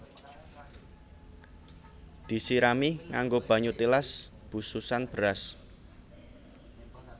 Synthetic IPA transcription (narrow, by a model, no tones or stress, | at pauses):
d̪̥i̤siɾamiŋaŋɡob̥ä̤ɲut̪ilas | b̥ṳsusanb̥ə̤ɾas